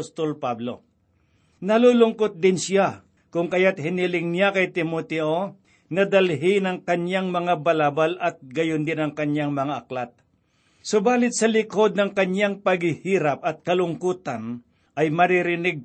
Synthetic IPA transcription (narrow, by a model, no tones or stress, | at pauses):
ost̪olpablo̰ | nɐlulʊŋkot̪̚d̪ɪnsa | kʊŋkɐjat̪̚hɪnilɪŋnjakɐjt̪ɪmot̪ɛʔo | nɐd̪ɐlɦɪnɐŋkɐɲjaŋmɐŋabɐlaːbalʔɐt̪̚ɡɐjond̪ɪnɐŋkɐɲjaŋmɐŋaʔɐklat̪̚ | sʊbaːlɪt̪̚sɐlɪkod̪̚nɐŋkɐɲjaŋpɐɡhɪhiːɾap̚ɐt̪̚kɐlʊŋkuːt̪ɐn | ʔɐjmɐɾɪɾɪnɪɡ̚